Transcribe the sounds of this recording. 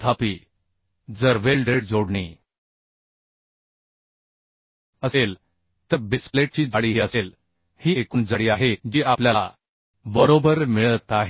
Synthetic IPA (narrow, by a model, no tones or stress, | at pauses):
t̪ʰapiː | d͡zəɾʋelɖeɽd͡zoɽɳḭː | əsel | t̪əɾbispleʈ̚t͡ɕiːd͡zaɽiːɦiəsel | hiːekuːnd͡zəɽiːaɦed͡ʑiːʔapljala̰ | bəɾobəɾmiɭət̪aɦ